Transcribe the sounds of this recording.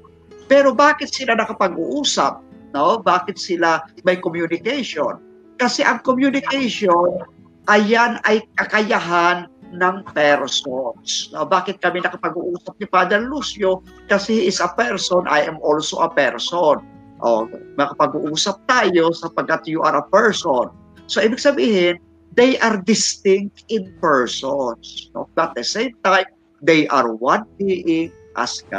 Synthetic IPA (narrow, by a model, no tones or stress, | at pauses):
pɛːɾo̞baːkɪt̪̚sɪlanɐkɐpɐɡṵʔuːsɐ̰p̚nobaːkɪt̪̚sɪlamɐjkomjunɪkɛjʃon | kɐsɛʔɐŋkomjunɪkɛjʃon | ʔɐjanɐjkɐkɐjaɦanːɐŋpɛɾsonsnobaːkɪt̪̚kɐminɐkɐpɐɡuʔuːsɐp̚nɪpaːd̪ɛɾlusjokɐsɛʔɪsɐpɛɹsonʔa̰jʔɛmʔolsoʔɐpɛɹson | ʔo̰mɐkɐpɐɡuʔuːsɐp̚t̪aːjo̞sɐpɐɡkːɐt̪juʔɐɾɐpɛɹson | soʔiːbɪɡ̚sɐbiːhɪn | d̪ɛjʔɐɾd̪ɪst̪ɪŋk̚t̪ɪnpɛɹsonsno̰bɐt̪̚d̪ɛsẽjmt̪ajm | d̪ɛjʔɐ̰ɹwanhiʔɪŋ | ʔa̰ska̰